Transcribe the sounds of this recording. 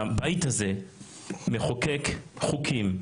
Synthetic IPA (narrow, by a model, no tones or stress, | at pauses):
bajt̪haze̞ | meχokekχukʰim